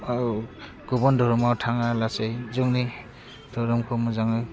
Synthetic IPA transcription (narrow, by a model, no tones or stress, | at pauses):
a | ɡ̥ɔbɔndʱɔɾumawtʰaŋalasejzuŋni | d̥ɔɾɔmkʰɯmuzaŋɯj